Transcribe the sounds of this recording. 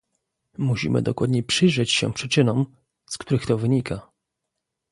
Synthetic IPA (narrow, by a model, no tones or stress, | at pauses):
muɕḭmɘ̰d̪ɔkwad̪ɲɛpʂɘjʐɛt͡ɕɕɛ̰pʂɘt͡ʂɘnɔm | skt̪uɾɘxt̪ɔvɘɲika